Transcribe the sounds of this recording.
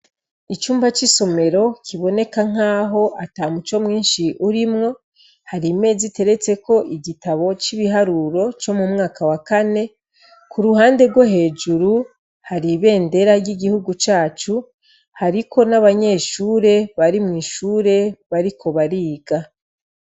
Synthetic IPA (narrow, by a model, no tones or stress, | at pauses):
it͡ʃuːmbat͡ʃiso̞me̞ɾo̞cʰiβo̞ne̞kaŋ̥aːɦo̞ʔataːmut͡ʃo̞mŋiːnʃiʔuɾimŋo̞ | haɾime̞ːzite̞ɾe̞t͡se̞ko̞ʔiɟitaβo̞t͡ʃiβiɦaɾuɾo̞t͡ʃo̞mumŋaːkawakane̞ | kuɾuhaːnde̞ɾɡwoɦe̞ːd͡ʒuɾu | haɾiβe̞ːnde̞ɾaɾɟiɡihuɡut͡ʃaːt͡ʃu | haɾikʰo̞naβaɲe̞ːʃuːɾe̞βaɾimŋiːʃuːɾe̞βaɾikʰo̞βaɾiːɡa